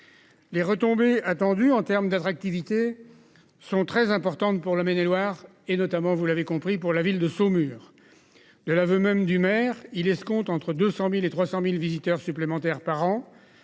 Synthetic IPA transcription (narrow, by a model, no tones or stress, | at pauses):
leʁət̪ɔ̃beat̪ɑ̃d̪yɑ̃t̪ɛʁmd̪at̪χak̚t̪ivit̪e | sɔ̃t̪χɛzɛ̃pɔʁt̪ɑ̃t̪puʁlamenelwaʁ | enɔt̪amɑ̃vulavekɔ̃pχipuʁlavild̪əsomyːʁ | d̪əlavømɛmd̪ymɛːʁilɛskɔ̃t̪ɑ̃t̪χəd̪øsɑ̃milet̪χwasɑ̃milvizit̪œʁsyplemɑ̃t̪ɛʁpaʁɑ̃